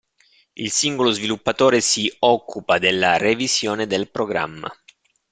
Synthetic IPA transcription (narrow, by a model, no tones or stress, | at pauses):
ilsiŋɡolozvilupːat̪oːɾesiɔkʰːupad̪elːarevisjɔːned̪elpɾoɡɾa̰mːa̰